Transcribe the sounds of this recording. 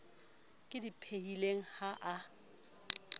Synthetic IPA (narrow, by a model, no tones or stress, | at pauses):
kʼɪdipʰeileŋ̩haʔa